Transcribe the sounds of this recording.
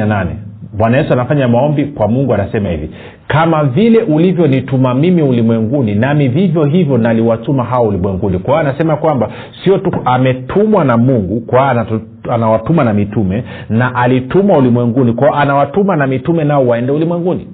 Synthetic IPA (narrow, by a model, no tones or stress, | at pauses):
ananɛ̰mwanajɛsuanafaɲamaɔmbikwamuŋɡuanasɛmahḭvḭ | kamavilɛʔulivjɔnitumamimiulimwɛŋɡuninamivivjɔɦivjɔnaliwatumaɦawaulimwɛŋɡunikwaɔanasɛmakwamba | siɔtuamɛtʰumwanamuŋɡukwana | anawatumanamitumɛ | naʔalitumwaulimwɛŋɡunikwaɔʔanawatumanamitumɛnaɔwaɛndɛulimwɛŋɡuni